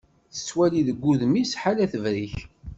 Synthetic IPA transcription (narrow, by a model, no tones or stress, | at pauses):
θə̥sːwæliðəɡʷːuðmisħalæθəvɾiç